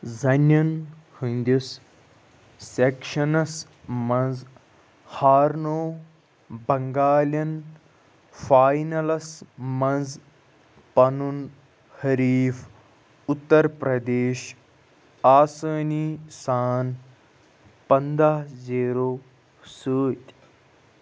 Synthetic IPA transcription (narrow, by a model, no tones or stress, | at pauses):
zɐnːɐnhinʲd̪us | sekʃɐnɐs | mɐ̃nz | haːɾnoː | bɐŋɡaːlʲjɐn | faːjnɐlɐsmɐ̃nz | pɐnun | hɐɾiːf | ut̪ːɐɾpɾɐd̪eːʃ | aːsɐːniːsaːn | pɐnd̪aɦziːɾoː | səːt̪ʲ